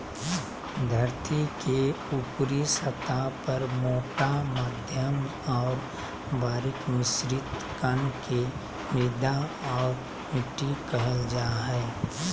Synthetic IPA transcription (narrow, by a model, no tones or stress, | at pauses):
d̪ʱɐɾt̪ike | upɾisət̪apɐɾmoːʈamaːd̪ʱjəm | ɔːɾ | baːɾɪkmɪsɾɪt̪kənke | ɪd̪aɔːɾ | mɪʈikəɦəld͡ʒaːɦɛː